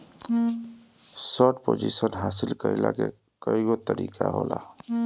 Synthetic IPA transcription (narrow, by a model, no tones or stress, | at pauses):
səʈpod͡ʒisənɦasilkəjla̰ke | kəiɡot̪əɾikʰaɦola